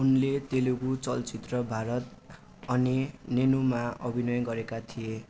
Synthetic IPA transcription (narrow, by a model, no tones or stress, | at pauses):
unlet̪elukut͡sʌlt͡sit̪rʌbʱaɾʌt̪ | ʌninenumaʌbʱinʌjɡʌɾekat̪ʰije